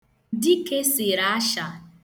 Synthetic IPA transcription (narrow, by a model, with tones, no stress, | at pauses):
di˦ke˦sɪ˨ɾa˦a˦ʃa˨